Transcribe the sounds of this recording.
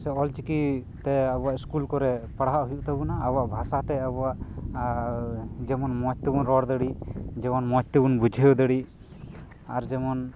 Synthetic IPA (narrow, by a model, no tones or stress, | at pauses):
sɛɔlt͡ʃikit̪ɛabuaʔiskulkɔɾɛpaɽaɦaʔɦujuʔt̪abunaːbuaʔbʱasat̪ɛabuaʔ | d͡ʒɛmɔnmɔt͡ʃ̚t̪ibunɾɔɽd̪əɽid͡ʒɛmɔnmɔt͡ʃt̪ɛbunbud͡ʒʱəjɔd̪əɽi | aɾd͡ʒɛmɔn